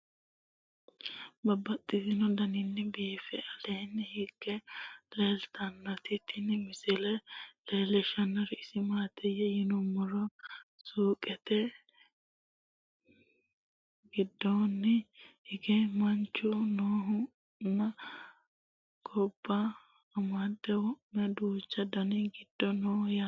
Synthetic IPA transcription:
bɐbɐt̪ʼːɪzɪnɔd̪ɐnɪnːɛbiːfɛɐlɛjnːɛhɪkːɛleːlt̪ɐnːɐt̪ɪt̪ːɪnɛmɪsɪlɛleːlɛʃɐnːɐɾɛɪsɪmaːt̪ʰɛjɛjɪnʊmːɔɾɔsuːkʼɛt̪ɛ | ɡɪd̪ːɔnːɛhɪɡɛmɐnt͡ʃːʊnoːɦʊ | nːɐ | ɡʰɔbːaː | mɐd̪ːɛwɔmɛd̪uːt͡ʃːɐd̪ɐnɪɡɪd̪̥ːɔnoːja

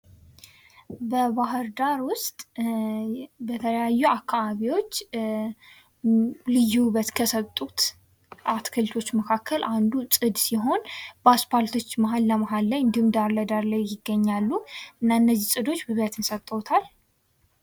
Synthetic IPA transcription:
bəβaɦɨɾd̪aɾwʊst̪ʼ | bət̪ʰələjajːuakʰːaβaβiwo̞t͡ʃː | lɨjːuβət̪kʰəsət̪ʼːut̪ | ʔat̪kʰɨlt̪ʰo̞t͡ʃːməkʰakʰːəlʔand̪usʼɨd̪siɦo̞nbaspalt̪ʰo̞t͡ʃːməɦalːəməɦalːəɲd̪ɨmd̪aɾləd̪aɾlajjɪɡːəɲːalːuɨnːanːəzisʼɨd̪o̞t͡ʃːbɨβət̪ʰɨnsət̪ʼːəwt̪ʰal

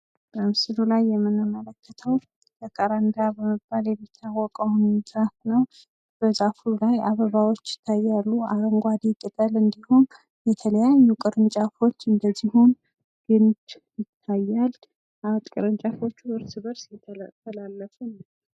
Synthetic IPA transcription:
b̥əmsɨlulajːɛmːɨnɨmələkʰːət̪ʰəw | bəkʼaɾand̪abəməbːaljɛmːit̪ʰːawːɔkʼəwnsɾat̪nəw | b̥əzafulajaβəβawo̞t͡ʃːjɪ̥t̪ʰːajːalːua̰ɾəŋɡʷad̪ikʼɨt̪ʼəlɨnd̪ihun | jɛt̪ʰələjajːukʼɨɾɨnt͡ʃʼafo̞t͡ʃːɨnd̪əzːihun | ɡ̥ɨnd͡ʒ | jɪt̪ʰːajːal | at̪ʼkʼɨɾɨnt͡ʃʼafo̞t͡ʃːuʔɨɾsɨβəɾsjɛt̪ʰːt̪ʰːəlalːəfun

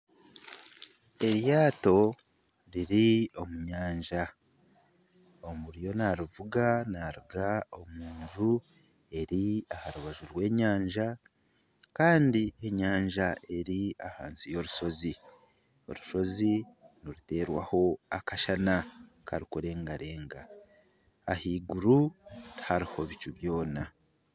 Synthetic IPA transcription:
e̞ɾjaːto̞ | ɾiɾio̞muɲaːɲʒa | omuɾjo̞naɾuvuɡanaɾuɡao̞muːnʒu | e̞ɾiahaɾuβaʒuɾwe̞ːɲaːɲʒa | kaːndie̞ɲaːɲʒaʔe̞ɾiaha̰ːnsijo̞ɾuʃo̞zi | o̞̰ɾuʃo̞ziniɾute̞ːɾwa̰ho̞akaʃana | ka̰ɾikuɾe̞ːŋɡaɾe̞ːŋɡaː | hiːɡuɾuthaɾiho̞βit͡ʃuβjo̞ːna

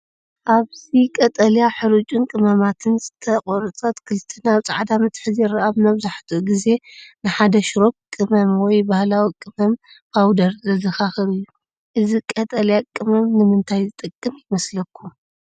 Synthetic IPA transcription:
ʔaβzikʼɐt̪ʼɐljaħɨɾut͡ʃʼunkʼɨmɐmat̪ʰɨnsʼɨ̥t̪ʰɐkʼoɾɨt͡sʼɐt̪kʰɨlt̪ʰɨnaβt͡sʼaʕd̪amɨt̪ʰħɨzɛɾɨʔaβnɐβzaħt̪ʰuʔuɡize̞nɨħad̪ɐʃɾo̞b̚kʼɨmɐmwɔjbahlawikʼɨmɐm | fʰawd̪ɐɾzɐzɨxaxɨɾɨjːu | ʔɨzikʼɐt̪ʼɐljakʼɨmɐmnɨmɨnt̪ʰajzɨt̪ʼɨkʼːɨmjɪmɐslɐkʰːu

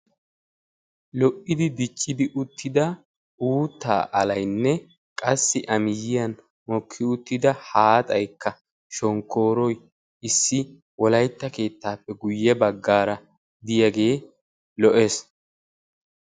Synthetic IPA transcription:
lɔʔɪd̪ɪd̪ɪt͡ʃʼːɪd̪ɪʔʊt̪ːɪd̪ɐ | uːt̪ːa̰ːʔɐlɐjnːɛ | kʼɐsːɪʔɐmɪjːɪjɐn | mɔkʰːɪʊt̪ːɪd̪ɐhaːt̪ʼɐjkʰːɐ | ʃɔŋkʰːo̞ːɾɔj | ɪsːɪ | wɔlɐjt̪ːɐke̞ːt̪ːaːpːɛɡʊjːɛbɐɡːaːɾɐ | d̪ɪjɐɡe̞ː | lɔʔes

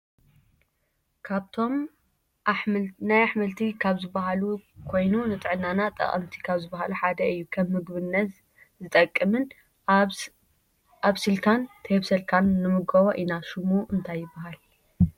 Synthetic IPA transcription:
kʰaβt̪ʰo̞m | najaħmɐlt̪ʰikʰaβzɨbaɦalukʰo̞jnunɨt̪ʼɨʕɨnːanat̪ʼɐ̰χʼɐ̰mt̪ʰi̥kʰaβzɨbaɦaluħad̪ɐɨjːukʰɐmːɨɡbɨnːɐt̪ | zɨt̪ʼɐkʼːɨmɨn | ʔaβsɨlt̪ʰant̪ʰɐheβsɐlkʰanːɨmɨɡɐβoʔinaʃɨmuʔɨnt̪ʰajːɪbːaɦal

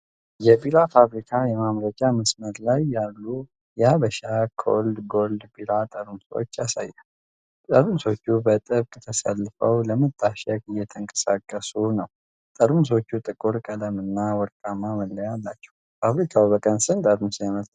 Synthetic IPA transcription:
jɛbiɾafaβɾikʰajɛmamɾəd͡ʒʼaməsməd̪lajːalːu | jɛaβəʃakʰo̰ld̪ɡo̞ld̪biɾat̪ʼəɾmso̰t͡ʃːasajːa | t̪ʼəɾmuso̞t͡ʃːubət̪ʼɨβkʼt̪ʰəsalːɨfəwləmət̪ʰʼːaʃɛkʼɨjːɛt̪ʰəŋkʼə̥sakʼːəsunəw | t̪ʼəɾmus̬o̞t͡ʃːut̪ʼɨkʼuɾkʼələmɨnːawɔɾkʼamːaməlːəjalːat͡ʃːɛ̥w | faβɾikʰawubəkʼənsɨnt̪ʼəɾmusjaməlt̪ʰʼ

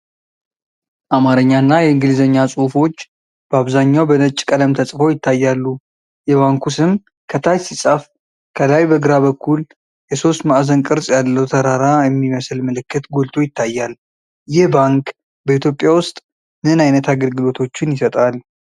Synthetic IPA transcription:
ʔamaɾəɲːanːajɛɨŋɡɨlzəɲːasʼufo̞t͡ʃː | b̥əaβzaɲːawbənət͡ʃʼkʼələmt̪ʰəsʼfəwjɪt̪ʰːajːalːu | jɛβaŋkʰusɨm | kʰət̪ʰajsisʼəf | kʰəlajbəɡɨɾaβəkʰːul | jɛso̞st̪maʔzənkʼɨɾsʼjalːəwt̪ʰəɾaɾajɛmːiməslməlɨkːɨt̪ɡo̞lt̪ʰo̞jɪt̪ʰːajːal | jɪhbaŋk | bəit̪jo̞pʼjawʊst̪ʼ | mɨnajnət̪ʰaɡəlɡɨlo̞t̪ʰo̞t͡ʃːɪnjɪsət̪ʼal

